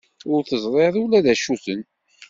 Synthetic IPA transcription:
ʊɾθəzˤɾˤeðˤulæðæʃuθən

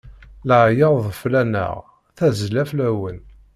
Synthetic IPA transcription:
ləʕjəðˤflænə̰ʁ | θæzlæflæwən

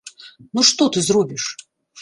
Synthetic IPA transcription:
nuʂt̪ot̪ɨzrubʲiʂ

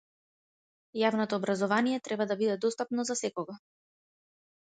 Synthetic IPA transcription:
javnɔt̪ɔːbɾazɔvanijɛt̪ɾɛbad̪abid̪ɛd̪ɔst̪apnɔzasɛkɔɡa

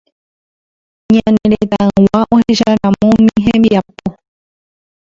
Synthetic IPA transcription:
ɲãnẽɾet̪aɨ̃waʔõheʃaɾãmõmĩɦẽmbiapo

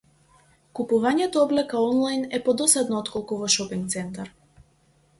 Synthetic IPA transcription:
kupuvaɲɛt̪ɔɔblɛkaɔnlˠajnɛpɔd̪ɔsad̪nɔɔt̪kɔlˠkuvɔʃɔpiŋkt̪sɛnt̪aɾ

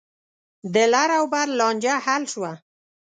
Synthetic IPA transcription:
d̪əlaɾawbaɾlɑnd͡ʒahalʃwa

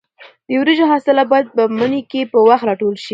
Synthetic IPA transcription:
d̪̥əwɾeʒoɦɑsɪlabɑjad̪̚pəmənekepəwaxt̪ɾɑʈolʃi

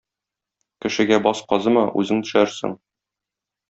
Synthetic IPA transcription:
kɘ̆ʃɘ̆ɡæbɒsqɒzɤmɑʔʉ̰zɘŋt̪ɵ̆ʃæɾsɘ̰ŋ

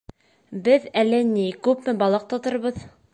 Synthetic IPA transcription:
bɘðælːɘnikʉpmɘbɑlˠɤq̚t̪ŏt̪ɤ̆ɾβɤð

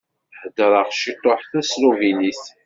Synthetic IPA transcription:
ħəd̪əɾˤəʁʃit̪ˤːoħθæsluviniθ

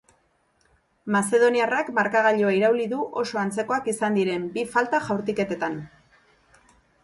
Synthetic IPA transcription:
mase̞ðo̞niarakmaɾkaɣ̞aʎoaiɾawliðuʔo̞so̞ant͡se̞ko̞akisand̪iɾe̞mbifalt̪aʝawɾt̪ike̞t̪e̞t̪an

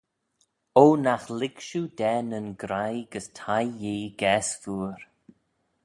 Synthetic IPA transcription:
oːnaxlɪɡʃudɛːnənɡɾajɡəstʰajːeːɡ̥ɛːsfuːɾ

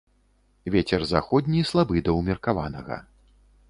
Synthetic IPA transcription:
vʲɛt͡sʲɛrza̰xɔd̪ʲnʲislˠabɨd̪ɐwmʲirkava̰nɐ̰ɣɐ̰

